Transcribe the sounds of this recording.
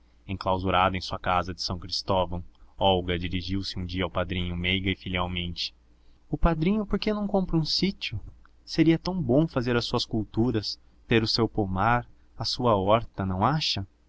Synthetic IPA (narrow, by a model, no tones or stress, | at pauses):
ẽklawzuɾad̪ʊẽj̃suɐkazɐd͡ʒɪ̥sɐ̃w̃kɾist̪ɔvɐ̃w̃ɔwɡɐd͡ʒiɾiʒiwsɪũd͡ʒiɐawpad̪ɾĩɲʊmejɡɐɪfiliawmẽnt͡ʃɪ̥ | ʊpad̪ɾĩɲʊpoɾkenɐ̃w̃kõmpɾɐũsit͡ʃiʊ | seɾiɐt̪ɐ̃w̃bõw̃fazeɾɐsːuɐskuwt̪uɾɐs | t̪eɾʊsewpomaɾ | ɐsuɐɔɾt̪ɐnɐ̃w̃aʃɐ